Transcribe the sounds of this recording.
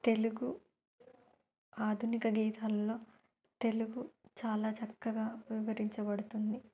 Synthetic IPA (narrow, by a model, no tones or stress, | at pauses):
t̪e̞luɡu | aːd̪ʱunikɐɡiːt̪aːlːo̞ː | t̪e̞luɡut͡ʃaːlaːt͡ʃɐkːɐɡaːʋiʋɐɾiɲt͡ʃɐbɐɽut̪und̪i